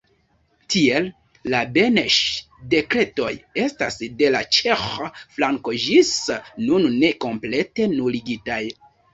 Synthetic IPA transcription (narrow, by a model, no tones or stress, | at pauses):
tʰie̞lː | abe̞neʃ | de̞kɾe̞to̞je̞sta̰sde̞lat͡ʃe̞xoflaŋko̞d͡ʒisnunːe̞ko̞mple̞te̞nuliɡitaj